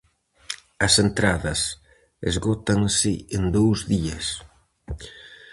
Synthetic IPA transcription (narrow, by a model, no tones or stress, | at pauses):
ɐsent̪ɾaðɐs | ḛzɣɔt̪aŋsɪend̪owzðiɐs